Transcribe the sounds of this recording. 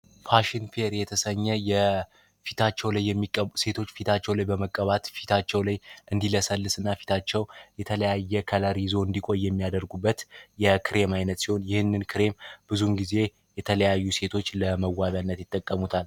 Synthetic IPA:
faʃɪnfeɾjɛt̪ʰəsəɲːɛjɛ | fit̪ʰat͡ʃːɛwlajːɛmːikʼːəuse̞t̪ʰo̞t͡ʃːfit̪ʰat͡ʃːɛwlajbəməkʼːəβat̪fi̥t̪ʰat͡ʃːɛwlajʔɨnd̪iləsəlːɨsɨnːafi̥t̪ʰat͡ʃːɛwjɛt̪ʰələjajːɛkʰəlaɾizo̞ɨnd̪ikʷʼo̞jːɛmːijad̪əɾɡubːət̪jɛkʰɨɾe̞majnət̪siho̞njɪhɨnːɨnkʰɨɾe̞mb̥ɨzumɡize̞ | jɛt̪ʰələjajːuse̞t̪ʰo̞t͡ʃːləməwːaβjanːət̪jɪt̪ʼːəkʼːəmut̪ʰal

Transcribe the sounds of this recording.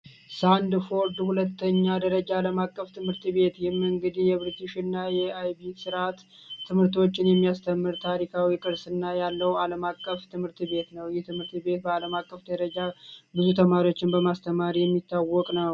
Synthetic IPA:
sand̪fo̞ɾd̪hulət̪ːəɲːad̪əɾəd͡ʒaːləmakʼːəft̪ʰɨmhɨɾt̪be̞t̪jɪhmɨŋɡɨd̪ijɛβɾit̪iʃɪnːajɛajbisɨɾʔat̪ː | ɨmhɨɾt̪o̞t͡ʃːɪnjɛmːijast̪ʰəmːɨɾt̪ʰaɾikʰawikʼɨɾsɨnːajalːəwaləmakʼːəft̪ʰɨmhɨɾt̪be̞t̪nəwjɪht̪ʰɨmhɨɾt̪be̞t̪̚bəaləmakʼːəfd̪əɾəd͡ʒabɨzut̪ʰəmaɾio̞t͡ʃːɪnbəmast̪ʰəmaɾijɛmːit̪ʰːawːɔkʼnəw

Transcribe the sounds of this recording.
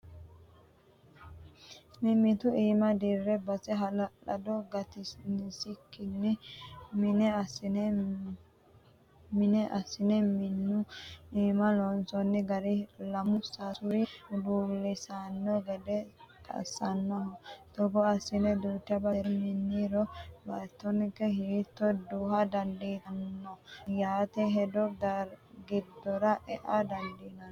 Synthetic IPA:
mɪmɪt̪ʊʔiːmɐd̪irːɛbɐsɛɦɐlɐᶑɐ̰d̪ɔɡɐt̪ɪnsɪkːɪnːɪmɪnɛɐsɪnɛ | mɪnɛʔɐsːɪnɛmɪnːʊiːmɐlɔnsɔnːɛɡɐɾɪlɐmʊsasʊɾɪd̪uːlːɪsanːɔɡɛd̪ɛt̪ʰɐ̰sɐnːɔɔt̪ɔbɔɐsːɪnɛd̪uːt̪ːɪɐbɐɾmɪnːiɾɔbɐt̪ːɔnɪkːɛhiːt̪ːɔd̪uːhɐd̪ɐnd̪iɐnːɔjaːt̪ɛɦɛd̪ɔd̪ɐɾɡɪd̪ːɔɾɐʔɛʔad̪ɐnd̪iːnɐ

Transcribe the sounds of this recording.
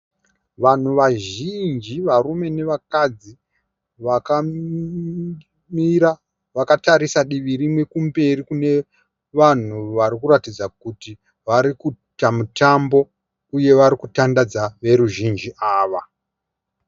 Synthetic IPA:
ʋan̤uʋaʒind͡ʒiʋarume̞ne̞ʋakad͡zi | ʋaka | miɾa | ʋakataɾisaɗiʋiɾimwe̞kumbe̞rikune̞ | ʋan̤uʋaɾikuɾatid͡zakuti | ʋaɾiku | tamutambo̞ | uje̞ʋaɾikutandad͡zaʋe̞ɾuʒind͡ʒiʔaːʋa

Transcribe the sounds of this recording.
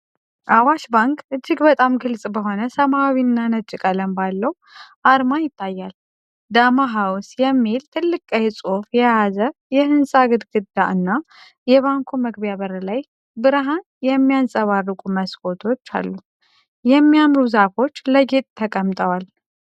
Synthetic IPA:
ʔawaʃbaŋkʼɨd͡ʒːɪɡbət̪ʼamɡɨlsʼbəɦo̞nəsəmawinːanət͡ʃʼɪkʼələmbalːəw | ʔaɾmajɪt̪ʰːajːal | d̪amaɦawsjɛmːilt̪ʰɨlːɨkʼajɛsʼofjɛjazəjɛhɨnsʼaɡɨd̪ɡɨd̪ːaʔɨnːa | jɛβaŋkʰoməɡbjaβəɾlaj | bɨɾɦan | jɛmːijansʼəβarːɨkʼuməskʰʼo̞t̪ʰo̞t͡ʃːa̰lːu | jɛmːijamɾuzafo̞t͡ʃːləɡe̞t̪ʼt̪ʰəkʼəmt̪ʼəwal

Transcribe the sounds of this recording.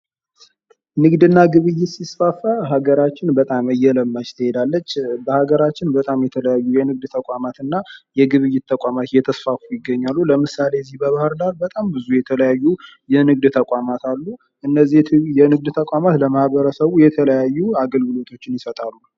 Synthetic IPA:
nɨɡd̪ɨnːaɡɨβɨjːɪt̪sisfafaɦaɡəɾat͡ʃːɪnbət̪ʼamɨjɛləmːad͡ʒt̪ʰɨhed̪alːət͡ʃːbəhaɡəɾat͡ʃːɪnbət̪ʼamjɛt̪ʰələjajːujɛnɨɡ̚d̪t̪ʰəkʼamat̪ɨnːajɛɡɨβɨjːɪt̪t̪ʰːəkʼamat̪jɛt̪ʰəsfafujɪɡːəɲːalːuləmɨsale̞jzːihbəβahɨɾdalbət̪ʼambɨzujɛt̪ʰələjajːu | jɛnɨɡ̚d̪t̪ʰəkʷʼamat̪ʰalːu | ʔɨnːəzːijɛnɨɡ̚d̪t̪ʰəkʷʼamat̪ləmahβəɾəsəβujɛt̪ʰələjajːuaɡəlɡɨlo̞t̪ʰo̞t͡ʃːɪnjɪsət̪ʼalːu

